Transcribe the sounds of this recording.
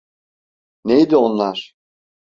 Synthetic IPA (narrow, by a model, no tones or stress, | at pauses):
nejd̪io̞nlˠaɾ̥